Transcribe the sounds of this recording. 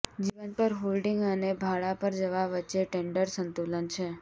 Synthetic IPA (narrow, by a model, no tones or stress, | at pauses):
d͡ʒiʋənpəɾɦolɖiŋɡənebʱaɭapəɾd͡ʒəʋaʋətːʃeʈẽɳɖəɾsənt̪ulənt͡ʃʰe